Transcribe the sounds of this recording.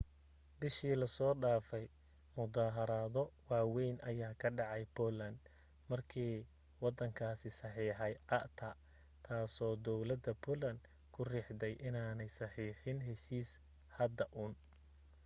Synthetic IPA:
bɪʃiːlɐsɔːɖaːfɛj | mʊd̪aːɦɐɾaːðɔwɑːwɛjnʔɐjaːkʰɐɖɑʕɑjbɔːlɐnd̪ | mɐrkʰiː | wɑd̪ɐŋkʰaːsɪsɑħiːħɛjʕɑʔt̪ʰɐ | t̪ʰaːsɔːd̪ɔwlɐd̪ɐbʰɔlɐnd̪ | kʰʊrɪħd̪ɛjʔɪnaːnɛjsɑħiːħɪnɦɛʃiːs | hɐd̪ɐʔuːn

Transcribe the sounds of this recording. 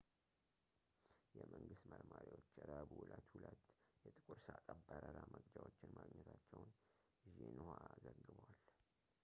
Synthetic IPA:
jɛməŋɡɨst̪məɾmaɾiwot͡ʃːɛɾabuhulət̪hulət̪jɛt̪ʼɨkʼuɾsak̪ʼəbːəɾəɾaməɡd͡ʒawot͡ʃːɪnmaɡɲːɛt̪ʰat͡ʃːɛwʊn | ʒenuhazəɡːɨβəwal

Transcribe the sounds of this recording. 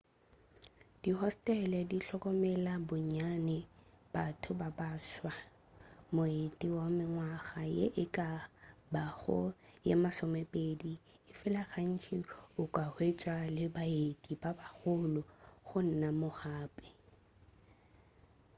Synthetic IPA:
d̥iɦɔstʼɛlɛdiɬɔkʼɔmɛlabʊɲanɛb̥atʰʊbabaːʃwa | moetʼiwamɪŋwaɣajḛʔɪkʼabaɣɔ̰jemasɔmɛpʼedi | ɪfɪlaχan̩t͡ʃʼiʊkʼahwet͡ʃʼwalɪbaetʼibabaχʊlʊχʊn̩namʊχaːpʼɛ̥

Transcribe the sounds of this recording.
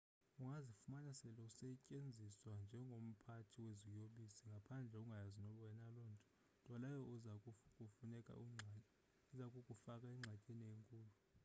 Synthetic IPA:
uŋazifumanasɛlɔusɛcʼend͡zʱiswand͡ʒʱɛŋɡʱom̩pʰatʰiwezijoɓisiŋɡʱapʰand͡ɮʱɛuŋɡʱajazinɔlwɛnalɔːntʼɔ̥ | tʼwalajɔukʼufunɛkʼa̰ | uzakʼukʼufakʼaiŋ͡ǁʱacʼenieŋkʼuːlu

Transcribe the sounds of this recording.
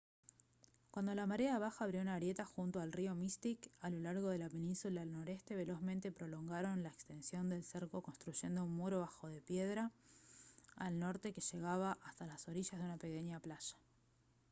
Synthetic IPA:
kwand̪o̞lamaɾeaeβ̞axaːβɾjo̞unaɾje̞t̪axunt̪oalrio̞mist̪ikalo̞laɾɣ̞o̞ð̞e̞lape̞nĩnsulaelno̞ɾe̞st̪e̞β̞e̞lo̞zment̪e̞pɾo̞lo̞ŋɡaɾo̞nlaekst̪e̞nsjo̞nd̪e̞lseɾko̞ko̞nst̪ɾuʒ̥e̞nd̪o̞unmuɾoβaxo̞ðe̞pje̞ðɾa | lno̞ɾt̪e̞ke̞ʃe̞ɣaβaʔast̪alaso̞ɾiʃazðeunape̞ke̞ɲaplaʃḁ

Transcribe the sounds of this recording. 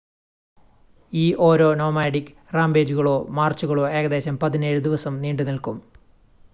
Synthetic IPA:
iːʔo̞ːɾo̞ːno̞ːmaːɖikː | raːmbe̞ːd͡ʑuɣɐɭo̞ːmaːrt͡ɕːuɣɐɭo̞ːe̞ːɣɐd̪e̞ːɕɐmpɐðine̞ːɻud̪iʋɐsɐmniːɳɖunilkum

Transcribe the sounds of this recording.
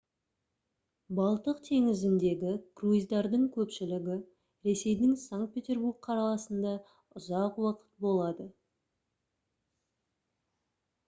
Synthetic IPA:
bɑlˠt̪əqt̪ʰe̞ŋɪzɪnd̪e̞ɡʲɪkruizd̪ɑɾd̪əɴkʲʰɵpʃɪlɪɡʲɪ | ɾe̞se̞jd̪ɪŋsaŋkt̪̚pʲet̪ʲe̞rburk̚qʰɑɾɑlˠɑsənd̪ɑ | ʊzɑqwɑqə̥t̪̚bo̞lˠɑd̪ə

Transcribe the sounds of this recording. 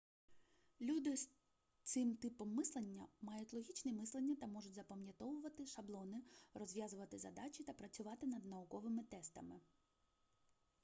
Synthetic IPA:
lʲud̪ɪs | t̪sɪmt̪ɪpɔmːɪslˠenʲːɐmɑjʊtʲlˠɔɦʲit͡ʃnɛmɪslˠenʲːɐt̪ɐmɔʒʊtʲzɐpɐmjɐt̪ɔʋʊʋɐt̪ɪʃɐblˠɔnɪrɔzʲʋʲjazʊʋɐt̪ɪzɐ̰d̪ɑt͡ʃʲit̪ɐpɾɐt͡sʲʊʋɑt̪ɪnɐd̪nɐʊkɔʋɪmɪt̪ɛst̪ɐmɪ

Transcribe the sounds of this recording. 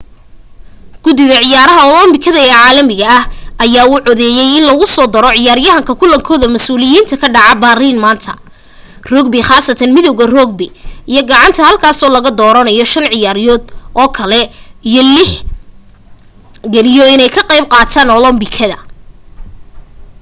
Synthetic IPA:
ɡ̥ʊd̪ɪðɐʕɪjaːɾɐɦɐɔlɔmbɪkʰɐðɐɛːʕaːlɐmɪɣɐɐhʔɐjaːuːʕɔðɛːjɛjɪnlɐɣʊsɔːd̪ɐɾɔʕɪjaːɾjɐɦɐŋkʰɐkʰʊlɐŋkʰɔːðɐmɐsuːlɪjiːnt̪ʰɐkʰɐɖɑʕɑbaːriːnmaːnt̪ʰɐ̰ | rɔːɡbɪχaːsɐt̪ʰɐnmɪðɔwɣɐrɔːɡ̚bɪɪjɔɡɑʕɑnt̪ʰɐhɐlkʰaːsɔːlɐɣɐd̪ɔːɾɐnɐjɔʃɐnʕɪjaːɾjɔːd̪ʔɔːkʰɐlɛijɔlɪħ | ɡɛlɪjɔɪnɛjkʰɐqejb̚qɑːt̪ʰaːnɔlɔmbɪkʰɐðɐ̰

